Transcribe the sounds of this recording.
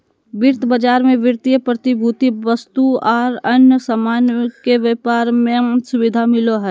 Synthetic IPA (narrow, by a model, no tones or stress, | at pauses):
ʋɪɾt̪ʰbəd͡ʒaːɾmẽʋɪɾt̪ijəpɾət̪ibʱut̪iʋəst̪uɔːɾənjəsəmaːnkeʋəpaːɾmẽsʊʋɪd̪ʱamɪloɦɛː